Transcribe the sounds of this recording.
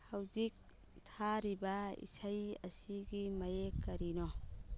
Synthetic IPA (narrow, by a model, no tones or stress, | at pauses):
hawzik̚ | tʰaɾibaḭsajɐ̰siɡimajekːɐɾinɔ